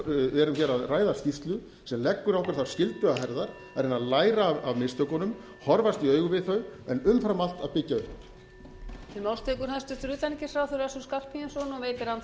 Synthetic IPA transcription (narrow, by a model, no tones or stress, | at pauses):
ɛɾʏmçɛɾaðraːjðascift̪lʏ | sɛmlɛkːʏɾawhkʰvɛɾθawscɪlt̪ʏaɦɛɾðaɾ̥ | ɛɾɪnaðlaːjɾaːavmɪst̪œkɔnʏm | hɔɾvast̪iœːɥɣʏvɪðθœɥɛnʏmfɾamal̥t̪aðpɪcːaʏhp | t̪ʰɪlmaːwlst̪ʰekʏɾ̥haðst̪ʏ̥t̪ʏɾʏːt̪anicɪsfɾawθœɾasuskal̥pʰijansɔnɔveːjt̪ɪɾan